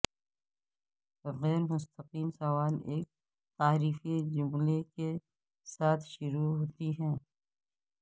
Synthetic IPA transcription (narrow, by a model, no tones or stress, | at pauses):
ɣɛːɾmʊst̪əqiːmsɐʋaːleːk̚ | t̪aːɾiːfid͡ʒʊmleke | saːt̪ʰʃʊɾuɦoːt̪iɦɛ̃ː